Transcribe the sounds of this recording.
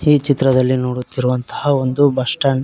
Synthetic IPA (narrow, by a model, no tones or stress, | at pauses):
iːt͡ʃit̪ɾɐd̪ɐlːinoːɽut̪ːiɾuʋɐnt̪ɐ̥hɐo̞nd̪ubɐʂʈɐɳ